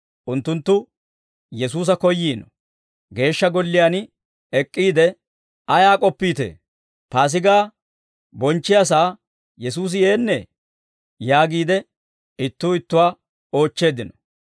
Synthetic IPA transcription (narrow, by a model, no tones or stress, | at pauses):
ʔʊnt̪ːʊnt̪ːʊ | jɛsuːs̬ɐkɔjːiːnɔ̥ | ɡe̞ːʃːɐɡɔlːɪjaːn | ɛkʼːiːd̪ɛ | ɐjaːkʼɔpːiːt̪ḛː | paːs̬ɪɡaː | bɔnt͡ʃːɪjas̬aː | jɛs̬uːs̬ɪje̞ːnːɛ | jaːɡiːd̪ɛ | ɪt̪ːuːɪt̪ːʊwaː | o̞ːt͡ʃːe̞ːd̪ɪnɔ̥